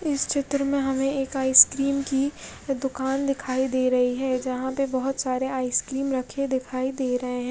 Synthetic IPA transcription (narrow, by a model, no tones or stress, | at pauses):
ɪst͡ʃʰɪt̪ɾəmẽɦɐmẽeːkaːɪskɾiːmkid̪ʊkaːnd̪ɪkʰaːid̪eːɾɐɦiɦɛd͡ʒɐɦãpebɐɦʊt̪saːɾeaːɪskɾiːmɾɐkʰed̪ɪkʰaːid̪eːɾɐɦeɦɛ̃ː